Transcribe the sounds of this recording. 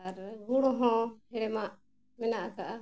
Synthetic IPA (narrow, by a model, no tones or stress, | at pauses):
aɾɡuɽ̃ɔɦɔ̃hɛɽɛmaʔ | mɛnaʔkaʔa